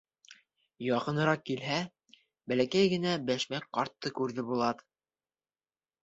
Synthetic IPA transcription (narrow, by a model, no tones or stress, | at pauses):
jɑqɤ̆nɤ̆ɾɑqkːilɦæ | bælækæjɡɘ̆næbæʃmæk̚qɑɾt̪ːɤkʉɾðɘbulˠɑt̪